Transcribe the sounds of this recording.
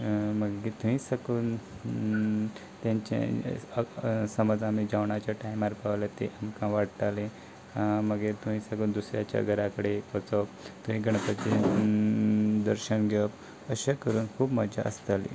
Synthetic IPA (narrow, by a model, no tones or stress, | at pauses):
məɡɡet̪uɦĩsəkuːn | t̪jãɲt͡ɕḛ | səməd͡zamid͡ʑaʋɳat͡ɕjaʈajmaɾpaʋlat̪ḛʔamkãʋaɽt̪ale | məɡet̪uɦĩsəkuːnd̪usɾja̰t͡ɕja̰ɡəɾakəɽeət͡səpt̪uɦĩɡəɳ̃əpət͡ɕe | d̪əɾɕənɡʱep | əɕakəɾuːnkʰuːpməd͡ʑa̰ʔə̰st̪alḭ